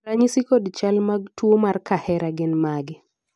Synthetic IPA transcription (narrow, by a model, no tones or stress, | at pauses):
ɾaɲisikodt͡ʃalmaɡ̚twomarkahɛɾaɡɪnmaɡɪ